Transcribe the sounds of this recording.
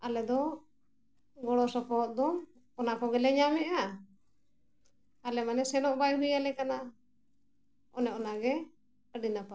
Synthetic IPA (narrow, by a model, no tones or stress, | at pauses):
alɛd̪ɔ | ɡɔɽɔsɔpɔɦɔt̪̚d̪ɔm | ɔnakɔɡɛlɛɲamɛʔa | alɛmanɛsɛnɔʔbajɦujalɛkana | ɔ̰nɛɔnaɡɛ | əɖinapa